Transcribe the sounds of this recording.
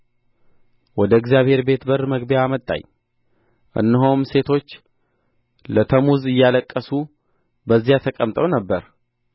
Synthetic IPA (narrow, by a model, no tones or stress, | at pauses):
wɔd̪əɨɡzjaβhe̞ɾbe̞t̪bəɾməɡbjaːmət̪ʼːa̰ɲ | ʔɨ̰nːɨɦomse̞t̪ʰo̞t͡ʃː | lət̪ʰəmuzɨjːaləkʼːəsu | bəzːijat̪ʰəkʼəmt̪ʼəwnəbːəɾ